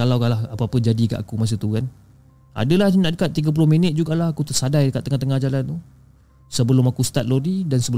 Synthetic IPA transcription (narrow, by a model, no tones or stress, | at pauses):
kalawkaʔlahapəapəd͡ʒadika̰ʔakumas̬ut̪ukan | a̰dəlahnaʔdəkat̪̚ːiɡap̬ulʊhminət̪̚d͡ʒuɡalahakut̪ərsadajdəkat̪ːəŋaht̪əŋahd͡ʒalant̪u | səbəlʊmakust̪at̪̚lodidansəbə